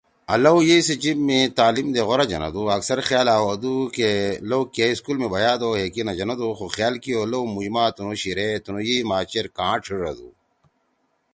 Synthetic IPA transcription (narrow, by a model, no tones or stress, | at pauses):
ɐ̰lɐwjesed͡ʑibmẽt̪aːlimd̪eɣoɾad͡ʒɐ̰nɐ̰d̪uɐksɐɾxjaːlaːɦod̪ukelowkeiskulmẽbɐjaːd̪oːɦeːkinad͡ʑɐnad̪uxoxjaːlkijoːlowmud͡ʑmaːt̪unoɕiɾet̪unojimaːt͡ɕeɾkãːʈ͡ʂʰiɾɐ̰d̪ṵː